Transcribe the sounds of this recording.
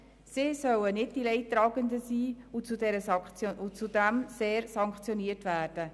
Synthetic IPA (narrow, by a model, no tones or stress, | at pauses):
sɪːsœwənɪd̚d̥ilɛɪttːɾɑːɡəndəsiːut͡sudɛɾəsɑχt͡sjout͡sudæmseːɾsɑŋkχt͡sjɔniərtʋæːrd̥ə